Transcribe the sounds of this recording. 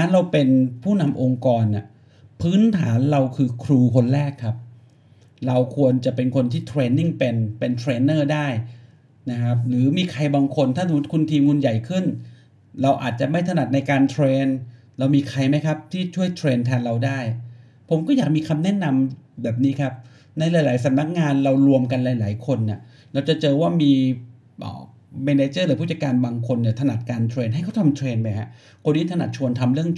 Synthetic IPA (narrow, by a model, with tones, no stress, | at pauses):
a˦˥nɾa˧wpe˧npʰuː˥˩na˧mʔo˧ŋkɔː˧nʔa˨˩ | pʰɯː˦˥nt̪ʰaː˩˦nɾa˧wkʰɯː˧kʰɾuː˧kʰo˧nɾɛː˥˩kʰːa˦˥p̚ | ɾa˧wkʰu˧ənt͡ɕa˨˩ʔpe˧nkʰo˧nt̪ʰiː˥˩t̪ʰɾeː˧ni˥˩ŋpe˧npe˧nt̪ʰɾeː˧nːɤː˥˩daː˥˩j | na˦˥kʰa˦˥p̚ɾɯː˩˦miː˧kʰa˧jbaː˧ŋkʰo˧nt̪ʰaː˥˩t̪̚ːkʰu˧nt̪ʰiː˧mŋu˧nja˨˩jkʰɯ˥˩n | ɾa˧wʔa̰ː˨˩t̪̚t͡ɕa˨˩ma˥˩jt̪ʰa˧na˨˩t̪̚na˧jkaː˧nt̪ʰɾeː˧n | ɾa˧wmiː˧kʰa˧jma˦˥jkʰa˦˥p̚t̪ʰiː˥˩t͡ɕʰu˥˩əjt̪ʰɾeː˧nt̪ʰɛː˧nɾa˧wdaː˥˩j | pʰo˩˦mkɔː˥˩jaː˨˩k̚miː˧kʰa˧mnɛ˦˥˨na˧mbɛː˨˩p̚niː˦˥kʰa˦˥p̚ | na˧jlaː˨˦laː˩˦jsa˩˦mna˦˥k̚ŋaː˧nɾa˧wɾu˧əmka˧nlaː˨˩˦jlaː˩˦jkʰo˧nːi˨˥˩ | ɾa˧wt͡ɕa˨˩t͡ɕɤː˧waː˥˩miː˧ | ʔɔ̰ː˨˩ | meː˧ne˧t͡ɕɤː˥˩lɯ˨˦pʰu˥˩t͡ɕa˧˩kaː˧nbaː˧ŋkʰo˧nːi˧˩ət̪ʰa˧na˨˩t̪̚kaː˧nt̪ʰɾeː˧nɦa˥˩jkʰa˥˩t̪ʰa˧mt̪ʰɾeː˧npa˧jha̰˦˥ | kʰo˧niː˥˩t̪ʰa˧na̰˨˩t̪̚t͡ɕʰu˧ənt̪ʰa˧mɾɯ˥˩əŋ